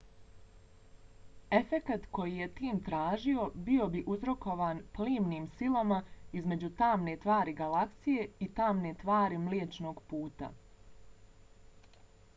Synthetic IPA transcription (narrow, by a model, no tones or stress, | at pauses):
e̞fe̞kat̪ko̞jije̞t̪iːmt̪ɾaːʒio̞bio̞biʔuzɾo̞ko̞ʋaːnpliːmniːmsilamaizme̞d͡ʑut̪aːmne̞t̪ʋaːɾiɡalaksije̞it̪aːmne̞t̪ʋaːɾimleːt͡ʃno̞ːɡpuːt̪a̰